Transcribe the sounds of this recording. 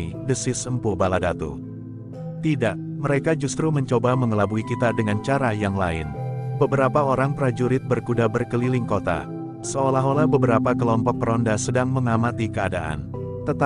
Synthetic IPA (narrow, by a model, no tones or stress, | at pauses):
idəsɪsəmpubaladat̪ṵ | t̪idaʔ | məɾekad͡ʒust̪ɾuməɲt͡ʃobaməŋəlabuikit̪adəŋant͡ʃaɾajaŋlaɪ̰nbəbəɾapaoɾaŋpəɾad͡ʒuɾɪt̪̚bərkudabərkəlilɪŋkot̪a̰ | səolaɦolahbəbəɾapakəlɔmpɔk̚pəɾɔndasədaŋməŋamat̪ikəadaʔa̰n | t̪ət̪a